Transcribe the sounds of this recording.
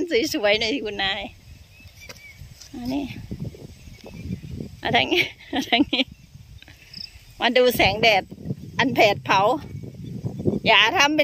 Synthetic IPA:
nsuː˨˦jsu˨˦ɐjna˧˩˨t̪ʰiː˧kʰu˧nːaː˧˥j | ʔa˧˩niː˧˥˨ | ʔa̰˧˩t̪ʰa˧ŋ˧a˧t̪ʰa˧ŋniː˧˥˨ | ma˧nduː˧˩sɛː˨˦ŋdɛː˨˩t̪̚ʔa˧˨npʰɛː˨˩t̪̚pʰa˨˦w | jaː˨˩a˧˩t̪ʰa˧˥˨mpe˧˨

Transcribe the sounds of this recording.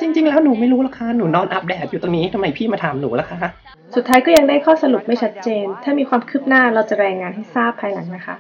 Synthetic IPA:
t͡ɕi˧ŋt͡ɕi˧ŋlɛː˦˥wnuː˨˩˦ma˥˩jɾuː˦˥la˦˥kʰa˦˥nuː˩˦nɔː˧nʔa˦˥p̚dɛː˨˩t̪̚ju˨˩t̪o˧ŋniː˦˥t̪ʰa˧ma˧jpʰiː˥˩maː˧t̪ʰa˧mnuː˩˦la˦˥kʰa˦˥kʰa˦˥ʔ | su˨˩t̪ʰːaː˦˥jkɔː˥˩ja˧ŋdaː˥˩jkʰɔː˥˩sa˧lu˨˩p̚ma˥˩jt͡ɕʰa˦˥t̪̚t͡ɕeː˧nt̪ʰaː˥˩miː˧kʰwaː˧mkʰɯ˥˩p̚naː˥˩ɾa˧wt͡ɕa˨˩ɾɛː˧ŋaː˧nɦa˥˩jsaː˥˩pʰːaː˧jla˩˦ŋna˦˥kʰa˦˥ʔ

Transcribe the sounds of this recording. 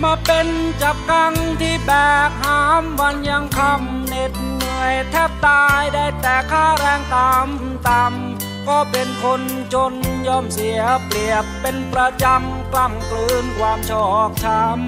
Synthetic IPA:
maː˧˥pe˧nt͡ɕa˨˩p̚ka˧ŋt̪ʰiː˥˩bɛː˨˩k̚haː˦˥mwa˧nja˧ŋkʰa˧˩m | ne˨˩t̪̚nɯ˧əjt̪ʰɛː˥˩p̚t̪aː˧jda˥˩jt̪ɛː˨˩kʰaː˥˩ɾɛː˧ŋt̪aː˧˥m | t̪a˧m | kɔː˧˩pe˧nkʰo˧n | t͡ɕo˧njɔː˧˩msi˨˦əpli˨˩əpːe˧npɾa˧t͡ɕa˧m | kla˧˩mklɯː˧nkʰwaː˧mt͡ɕʰɔː˧˩k̚t̪ʰa˧˥m

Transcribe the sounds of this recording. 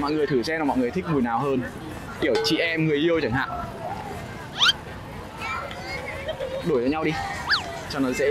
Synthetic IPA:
mɔ̰˧˨jŋɨ˨˩əjt̪ʰɨ˧˩sɛ˧nː˨˩mɔ̰˧˨jŋ˨˩əjt̪ï˦˥k̚mu˨˩jnaː˨˩wɦəː˧n | ʔi˧˩əwt͡ɕḭ˧˨ʔɛ˧mŋɨ˨˩əjʔi˧ə˧wt͡ɕa˧˩˦ŋha̰ː˧˨ŋ | ɗo˧˩jt͡ɕɔ˧ɲa˧wɗi˧ | t͡ɕɔ˧nɔ˨˦sɛ̰˧˥

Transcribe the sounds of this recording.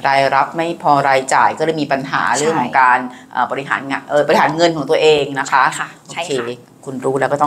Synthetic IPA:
ɾaː˧jɾa˦˥p̚ma˥˩jpʰɔː˧ɾaː˧jt͡ɕaː˨˩jkɔː˥˩˧jmiː˧pa˧nɦa̰ː˩˦ɾɯ˥˩əŋkʰɔː˩˦ŋkaː˧nʔə̰ː˨˩bɔː˧ɾi˦˥ɦa̰ː˩˦na˧ʔɤː˨˩bɔ˧i˦ɦaː˩˦nŋɤ˧nkʰɔː˩˦ŋt̪u˧ɐʔeː˧ŋna˦˥kʰa˦˥˧ʔoː˧kʰeː˧ | kʰu˧nɾuː˦˥lɛ˦˥kɔː˥˩t̪ɔ˥˩

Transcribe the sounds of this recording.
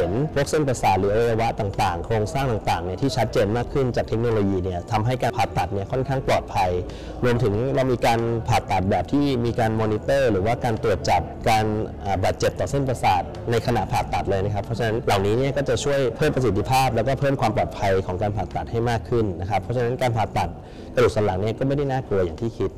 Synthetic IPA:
he˩˦npʰu˥˩ək̚se˥˩npa˧saː˨˩t̪̚lɯː˩˦a˧wa˧ja˧wa˦˥t̪aː˨˩ŋt̪aː˨˩ŋkʰɾoː˧ŋsaː˥˩ŋt̪aː˨˩ŋt̪aː˨˩ŋni˥˩t̪ʰiː˥˩t͡ɕʰa˦˥t̪̚t͡ɕeː˧nmaː˥˩kʰːɯ˥˩nt͡ɕaː˨˩kt̪ʰe˦˥k̚noː˧loː˧jiː˧ni˥˩ɐt̪ʰa˧mɦa˥˩jkaː˧pʰaː˨˩t̪ːa˨˩t̪̚ni˥ɐkʰɔ˥˩nkʰaː˥˩ŋplɔː˨˩t̪̚pʰa˧j | ɾu˧əmt̪ʰɯ˩˦ŋla˧wmiː˧kaː˧npʰaː˨˩t̪ːa˨˩t̪̚bɛː˨˩p̚t̪ʰiː˥˩miː˧kaː˧nmɔː˧ni˦˥t̪ɤː˥˩ɾɯː˩˦waː˥˩kaː˧nt̪u˨˩ət̪̚t͡ɕa˨˩p̚kaː˧nʔaː˨˩baː˨˩t̪̚t͡ɕe˨˩p̚t̪ɔː˨˩se˥˩npa˧saː˨˩t̪̚na˧jkʰa˧na˧˩ʔpʰaː˨˩t̪ːa˨˩t̪̚lɤː˧jna˦˥kʰa˦˥pʰːɔ˦˥t͡ɕʰa˧na˦˥nla˨˩wniː˦˥ni˥˩ɐkɔː˥˩t͡ɕa˨˩t͡ɕʰu˥˩əjpʰɤː˥˩mpɾa˧s̬i˨˩t̪ʰːi˧pʰaː˥˩p̚lɛ˦˥wkɔː˥˩pʰɤː˥˩mkʰwaː˧mplɔː˨˩t̪̚pʰa˧jkʰɔː˩˦ŋkaː˧npʰaː˨˩t̪ːa˨˩t̪̚ha˥˩jmaː˥˩kʰːɯ˥˩nːa˦˥kʰa˦˥pʰːɔ˦˥t͡ɕʰa˧na˦˥nkaː˧npʰaː˨˩t̪ːa˨˩t̪̚ | ka˧du˨˩t̪̚sa˨˦˥la˩˦ŋni˥˩ɐkɔː˥˩ma˥˩jda˥˩jnaː˥˩klu˧ɐjaː˨˩ŋt̪ʰiː˥˩kʰi˦˥t̪̚

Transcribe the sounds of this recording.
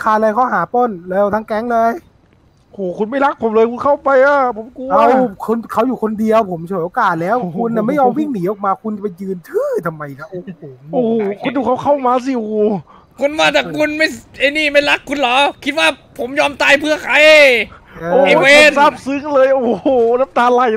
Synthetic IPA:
kʰaː˧˩lɤː˧jkʰa˧˦˥wɦaː˩˦pɔ˧˥˩nlɛː˧˩wt̪ʰa˧˥˩ŋkɛ˦˥ŋlɤː˧j | hoː˨˩kʰu˧nma˥˩jla˦˥k̚pʰo˨˦mlɤː˧jkʰu˧nkʰa˥˩wpa˧jʔaː˧˩pʰo˨˦mkuː˧a˧˥˩kʰo˧nkʰa˦˥wjuː˨˩kʰo˧ndi˧əwpʰo˩˦mt͡ɕʰuː˨˦jʔoː˧kaː˨˩t̪̚lɛː˦˥wkʰu˧nːaː˧˨˩ma˥˩jɔː˧mwi˥˩ŋniː˩˦ʔɔː˨˩k̚maː˧kʰu˧nt͡ɕa˨˩pa˧jjɯː˧nt̪ʰɯː˥˩t̪ʰa˧mːa˧jla˦˧˥ʔo˨˩pʰo˩˦mʔoː˧˩kʰu˧nd̪uː˨˩kʰa˦˧˩wkʰa˧˥˩maː˧s̬i˧ʔoː˨˧˩ | kʰu˧nmaː˧˥˩t̪ɛː˨˩kʰu˧nma˥˩jʔe˧˩niː˧˩ma˥˩jla˦˥kʰːu˧nlɔː˨˦kʰi˦t̪̚waː˥˩pʰo˨˩˦mjɔː˧mt̪aː˧˩jpʰɯ˥˩ɐkʰa˧˥j | aː˧oː˨˧˨e˧˩˦weː˧˥sa˦˥˩p̚sɯ˦˥ŋlɤː˧jʔoː˨˩na˦˥p̚t̪aː˧la˧˩j

